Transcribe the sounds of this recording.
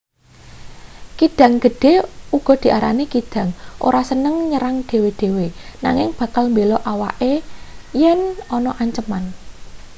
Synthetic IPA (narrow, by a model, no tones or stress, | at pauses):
kid̪̥ä̤ŋɡ̥ə̤ɖ̥e̤uɡ̥ɔ̤d̪̥i̤ʔaɾa̰nikid̪̥ä̤ŋʔo̰ɾasənəŋɲəɾaŋɖ̪̥e̤wed̪̥e̤wena̰ŋɪŋb̥ä̤kalmbelɔʔawaʔejɛnɔnɔʔaɲt͡ʃəman